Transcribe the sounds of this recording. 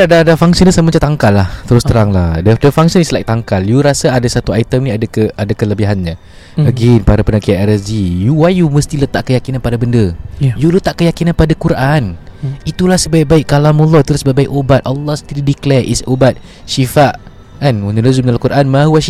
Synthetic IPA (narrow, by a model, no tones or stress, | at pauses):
adadafaŋsənasammat͡ʃat̪aŋkalːaht̪əɾʊst̪əɾaŋlahdədəfaŋsənislaḭʔ̚t̪aŋkaljuɾasaadasat̪uajt̪əmnĩadakəʔadakələbiɦanɲã | əɡenpaɾapənakiaʔɛɾəd͡ʒijuwajuməst̪ilət̪aʔkəjakinanpadabəndəjulut̪aʔkəjakinanpadakuɾʔanit̪ulahsəbaiʔ̚baɪʔkalamulˠːɔit̪ulasəbaibaiʔobat̪̚ʔɔlːɔhsə̥t̪iɾidiklɛʔisobat̪̚ | ʃifaʔ | kanunələzumənalahkuɾʔanmaɦuaʃ